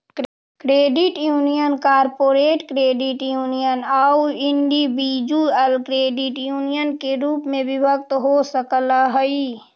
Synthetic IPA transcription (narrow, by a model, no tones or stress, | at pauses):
kɾeːɖɪʈjuːnijənkaːɾpoːɾeːʈkɾeːɖɪʈjuːnijənauɪɳɖibid͡ʒuɛlkɾeːɖɪʈjuːnijənkeɾuːpmẽbɪbʱək̚t̪ɦosəkəlaɦəi